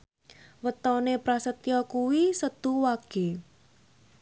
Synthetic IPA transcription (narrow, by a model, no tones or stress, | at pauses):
wət̪ɔnepɾasət̪ijɔkuwisət̪uwaɡ̥e̤